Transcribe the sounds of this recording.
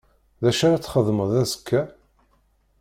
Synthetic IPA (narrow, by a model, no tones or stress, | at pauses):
ðæʃaɾat͡sːχəðˤməðæsə̥kʰːæ